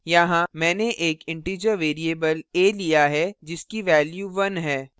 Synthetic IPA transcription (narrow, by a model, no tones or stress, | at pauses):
jɐɦãmɛ̃ːneʔeːkɪ̃ɳʈiːd͡ʒəɾʋeːɾieːbəleːlijaɦɛd͡ʒɪskiʋɛːljuʋɐnɦɛː